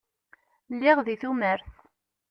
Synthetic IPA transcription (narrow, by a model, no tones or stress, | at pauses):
lːɪʁðiθuməɾθ